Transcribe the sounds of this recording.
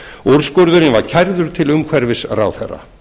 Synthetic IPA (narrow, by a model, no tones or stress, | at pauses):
uɾskœɾðʏɾɪvaɾ̥cʰajɾðʏɾ̥t̪ʰɪlʏmkʰvɛɾvɪsra̰ːwθɛ̰rːa̰